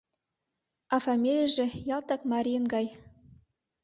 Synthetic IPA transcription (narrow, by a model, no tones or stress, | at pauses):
ɑfɑmʲilʲəʒɘ̆jɑlˠt̪ɑkmɑɾʲijənɡɑj